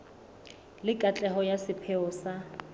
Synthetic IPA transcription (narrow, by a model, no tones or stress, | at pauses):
lɪkʼat͡ɬʼɛɦɔjasɪpʰɛʊːsa